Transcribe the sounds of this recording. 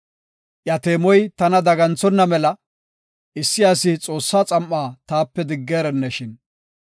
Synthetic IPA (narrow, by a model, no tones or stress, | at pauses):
ʔjɐt̪eːmɔjt̪ɐnɐd̪ɐɡɐnt͡sɔnːɐmɛlɐ | ɪsːɪjaːsɪt͡sʼo̞ːsːaːt͡sʼɐmːaːt̪aːpːɛd̪ɪɡːeːɾɛnːɛʃɪn